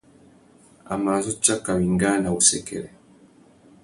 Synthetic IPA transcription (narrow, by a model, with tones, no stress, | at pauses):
a̰˨maː˨zɔ˦t͡ʃa˦ka˨wi˨ŋɡa˦na˨u˨sɛ˨kɛ̰˨lɛ˨